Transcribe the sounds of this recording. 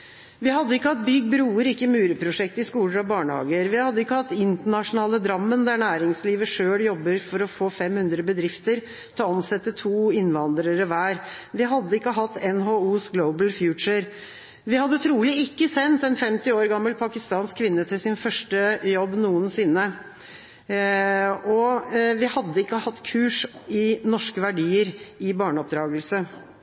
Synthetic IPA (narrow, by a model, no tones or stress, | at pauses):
ʋɪhɑd̪ːəɪkːəhɑt̪̚bʏɡbɾuːəɾɪkːəmʉːɾəpʰɾʊʂɛk̚t̪ɪskuːləɾɑʋbɑːɳəhɑ̰ːɡəɾʋɪhɑd̪ːəɪkːəhɑt̪ːɪnt̪əɳɑʂʊnɑːləd̪ɾɑmːənd̪æɳæːɾɪŋsliːʋəʂøːljɔbːəɾfɔɾɔfoːfɛmhʉnd̪ɾəbəd̪ɾɪft̪əɾ | t̪ʰɑɑnsɛt̪ːət̪ʰuːɪnʋɑnd̪ɾəɾəʋæːɾʋɪɦɑd̪ːəɪkːəɦɑt̪ːɛnɦouːsɡloʊbəlfjʉːt͡ʃəɾ | ʋɪhɑd̪ːət̪ʰɾuːlɪɪkːəsɛnt̪ɛnfɛmt̪ɪoːɾɡɑmːəlpʰɑkɪst̪ɑːnskʰːʋɪnːət̪ʰɪlsɪnfœʂʈəjɔbːnuːənsɪnːə | ɔʋɪhɑd̪ːəɪkːəhɑt̪ːkʰʉːʂɪnɔʂkəʋæɖiːəɾɪbɑːɳəɔp̚d̪ɾɑːɡəlsə